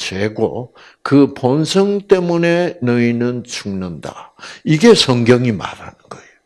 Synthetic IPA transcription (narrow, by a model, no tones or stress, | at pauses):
t͡ɕweɡo̰ | kɯponsʰʌŋt͈e̞mune̞nɯinɯnt͡ɕʰuŋnʌnda̰iɡe̞sʰʌŋɡjʌŋima̰ɾa̰nɯnɡʌejo